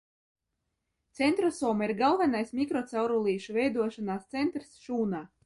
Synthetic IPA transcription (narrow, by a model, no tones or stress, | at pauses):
t̪sʲɛnt̪ɾɔsɔɔːmaiɾɡalˠvɛnajsmʲikɾɔt̪sawɾulˠiːʃuvɛjd̪uɔʃanaːst̪sɛnt̪ɾsʃuːnaː